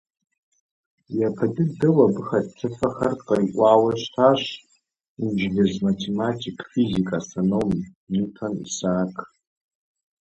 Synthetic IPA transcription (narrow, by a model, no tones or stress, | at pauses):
japʰadɨdɨwabɨχadtʰɨfaχarqaikʷʼaːwaʃʷtʰaʃ | ind͡ʒɡʲazmatʰematʰikʼfizikʼasanom | nutʰanḭsaːkʰʼ